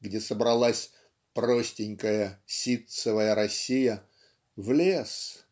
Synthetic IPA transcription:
ɡdʲesəbɾɐlˠasʲ | pɾo̞sʲtʲɪnʲkəjəsʲit̪sɨvəjəɾɐsʲijə | vlʲe̞s

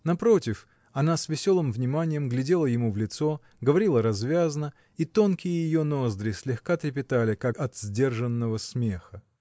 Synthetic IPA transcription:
nɐpɾo̞tʲɪf | ɐnasvʲɪsʲo̞lˠɨmvnʲɪmanʲɪjəmɡlʲɪdʲe̞lˠəjɪmuvlʲɪt̪so̞ | ɡəvɐɾʲilˠəɾɐzvʲaznə | it̪o̞nkʲɪjəjɪjo̞nozd̪ɾɨsʲlʲɪxkat̪ɾʲɪp̬ʲɪt̪alʲɪkakɐt̪z̥ʲdʲe̞rʐənːəvəsmʲexə

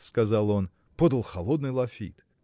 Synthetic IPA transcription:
skɐzɑlˠo̞n | pod̪əlˠxɐlˠo̞d̪nɨjlˠɐfʲḭt̪

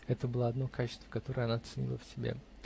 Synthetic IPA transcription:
ɛt̪əbɨlˠaɐd̪nokʰat͡ɕɪst̪və̥kɐt̪o̞ɾəjɐnat̪sɨnʲḭlˠəfsʲɪbʲḛ

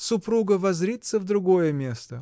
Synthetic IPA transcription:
sʊpɾuɡəvɐzɾʲit̪sːəvd̪ɾʊɡojəmʲest̪ə

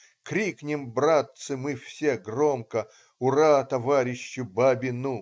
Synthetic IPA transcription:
kɾʲiknʲɪmbɾat̪sɨmɨfsʲeɡromkə | ʊɾat̪ɐvaɾʲɪɕːʊbabʲɪnu

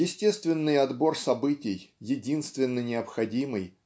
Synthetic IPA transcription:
jɪsʲtʲest̪vʲɪnːɨjɐd̪bo̞rsɐbɨtʲɪjːɪdʲinst̪vʲɪnːənʲɪəpxɐdʲimɨj

